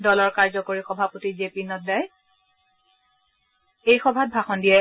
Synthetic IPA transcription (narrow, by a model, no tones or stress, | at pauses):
dɔlɔɹkaɹzɔkoɹixɔbʱapotizepinɔt̚daj | ejxɔbʱat̚bʱaxɔndijɛ